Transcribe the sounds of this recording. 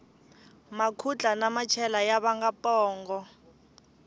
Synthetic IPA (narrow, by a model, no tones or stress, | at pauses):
makʰut͡ɬʼanamat͡ʃʰɛlajaβaŋɡapɔːŋɡɔ